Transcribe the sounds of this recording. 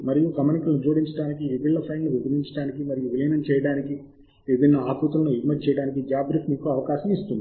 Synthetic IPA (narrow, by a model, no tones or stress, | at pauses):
mɐɾijuɡɐmɐnikulɐnud͡ʒoːɽiɲt͡ʃɐɽaːnikiebiɭːɐpʰɐjɳɖʋebɐɡiɲt͡ʃɐʈaːnikimɐɾijuʋilɐjnɐmt͡ʃɛːjɐɽaːniki | ʋebinːɐaːkut̪ɐlɐnuiɡmɐt͡ʃɛːjɐɽaːnikid͡ʒaːbɾifmiːkuɐʋɐkaːʃɐmist̪und̪i